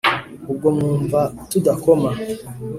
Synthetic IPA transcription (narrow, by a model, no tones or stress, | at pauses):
uɡɔmuɱvatudakɔma